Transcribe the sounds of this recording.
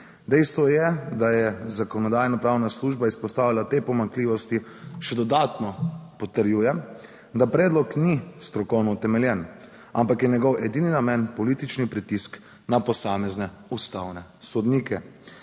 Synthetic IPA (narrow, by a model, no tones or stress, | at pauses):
d̪ɛjst̪ʋɔjɛd̪ajɛzakɔnɔd̪aːjnapɾaːwnasluʒbaispɔst̪aːʋilat̪epɔmaŋkliːʋɔst̪i | ʃɛd̪ɔd̪at̪nɔpɔt̪əɾjuːjɛ | d̪apɾɛːd̪lɔknist̪ɾɔkɔwnɔut̪ɛmɛljɛn | ampakjɛnjɛɡɔwɛd̪ininamɛnpɔlit̪it͡ʃnipɾit̪isk | napɔsaːmɛznɛ | ust̪awnɛ | sɔd̪nikɛ